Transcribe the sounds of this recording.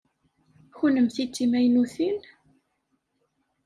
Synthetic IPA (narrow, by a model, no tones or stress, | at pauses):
çunəmθit͡sːimæjnuθin